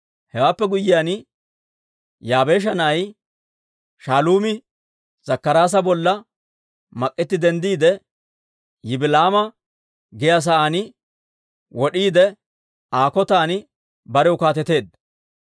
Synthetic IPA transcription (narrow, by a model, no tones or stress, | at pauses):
hɛwaːpːɛɡʊjːɪjaːnɪ | jaːbe̞ːʃ̬ɐnɐɐj | ʃaːluːmɪ | z̥ɐkːɐɾaːs̬ɐbɔlːɐ | mɐkʼːɪt̪ːɪd̪ɛnd̪iːd̪ɛ | jɪbɪlaːmɐ | ɡɛjas̬ɐʔaːnɪ | wɔɗiːd̪ɛ | aːkɔt̪aːnɪ | bɐɾɛʊkaːt̪ɛt̪e̞ːd̪ɐ